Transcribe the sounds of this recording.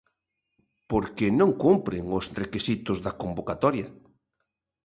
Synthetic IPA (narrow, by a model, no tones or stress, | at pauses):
poɾkenõŋkumpɾeŋosrekisit̪ʊzðɐkombokat̪ɔɾja